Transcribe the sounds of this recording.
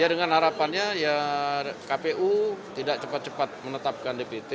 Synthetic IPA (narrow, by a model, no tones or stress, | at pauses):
jadəŋanhaɾapanɲaja | kapeʔut̪idak̚t͡ʃəpat̪̚t͡ʃəpat̪̚mənət̪ap̚kandepet̪e